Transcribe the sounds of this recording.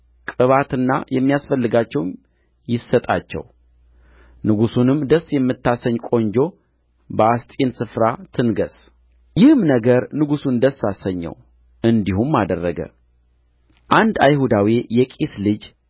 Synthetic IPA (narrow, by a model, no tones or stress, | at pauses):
kʼɨβat̪ɨnːa̰jɛmːijasfəlːɨɡat͡ʃːɛw | jɪsət̪ʼa̰t͡ʃːɛ̰w | nɨɡusunɨmd̪əsːjɛmːɨt̪ːasəɲkʼo̞ɲd͡ʒo̞ | bəast̪ʼensɨfɾat̪ʰɨnɡəs | jɪhmnəɡəɾnɨɡusund̪əsːasəɲːɛ̰w | ɨnd̪ihumːad̪ərːəɡə̰ | ʔand̪ajhud̪awijɛkʼeslɨd͡ʒ